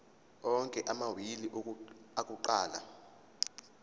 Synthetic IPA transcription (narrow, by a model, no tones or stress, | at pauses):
ɔŋkʼɛʔamawiliʔakʼuǃaːla̰